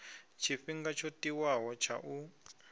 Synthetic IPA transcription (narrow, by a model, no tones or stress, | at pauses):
t͡ʃʰifiŋɡat͡ʃʰotiwaɦɔt͡ʃʰa̰ʔu